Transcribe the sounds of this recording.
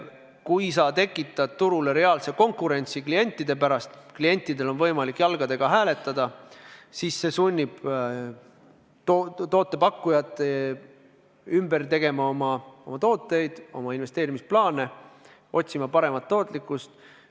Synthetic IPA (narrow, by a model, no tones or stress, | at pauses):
kujsɑːt̪e̞kːˑit̪ːˑɑd̪t̪uɾule̞ɾe̞ɑːlse̞ko̞ŋkːˑuɾe̞nʲt̪siklije̞nʲt̪ːˑid̪e̞p̬æɾɑst̪klije̞nʲt̪ːˑid̪e̞lo̞nvɤjmɑlikːˑjɑlɡ̥ɑd̪e̞ɡ̥ɑɦæːle̞t̪ːˑɑd̪̥ɑsiːsːe̞sunʲːib̥ | t̪ot̪o̞ːt̪ˑːe̞pɑkːujɑt̪ːˑe | ymbert̪e̞ɡ̥e̞mɑomɑo̞mɑt̪o̞ːt̪ːˑe̞jd̪̥o̞̰mɑinve̞st̪e̞ːɾimisplɑːne̞ | ʔo̞t̪ʲsimɑpɑɾe̞mɑt̪ːo̞ːt̪ˑlikːˑust̪